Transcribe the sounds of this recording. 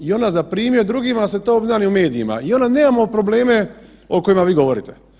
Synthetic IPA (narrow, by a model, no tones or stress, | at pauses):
io̞nazapɾiːmiod̪ɾuɡimaset̪oobznaniume̞ːd̪iima̰io̞naneːmamopɾoble̞ːme̞ | oko̞jimaʋiːɡo̞ʋo̞ɾḭt̪e